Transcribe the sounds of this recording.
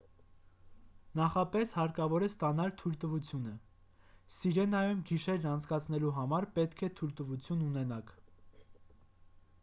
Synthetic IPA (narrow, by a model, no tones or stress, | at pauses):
nɑχɑpɛshɑɾkɑvɔɾɛst̪ɑnɑlt̪ʰult̪əvut͡sʰjunə | siɾɛnɑjumɡiʃɛɾnɑnt͡sʰkɑt͡sʰn̪ɛluɦɑmɑɾpɛt̪kʰɛt̪ʰult̪əvut͡sʰjununɛnɑkʰ